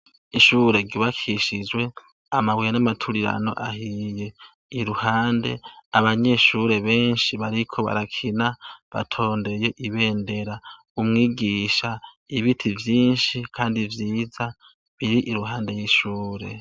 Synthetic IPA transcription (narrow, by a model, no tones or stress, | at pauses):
iʃuːɾe̞ɾɟuβakʰiʃid͡ʒwe̞ | amawijanamatʰuɾiɾa̰no̞̰ʔahije̞ | iɾuhaːnde̞aβaɲe̞ʃuɾe̞βe̞ːnʃiβaɾikʰo̞βa̰ɾakʰinaβa̰tʰo̞ːnde̞je̞ʔiβe̞ːnde̞ɾa | umŋiːɡiʃa | iβitʰivjiːnʃikʰaːndivjiːza | βiɾiʔiɾuɦaːnde̞jiʃuːɾe̞̰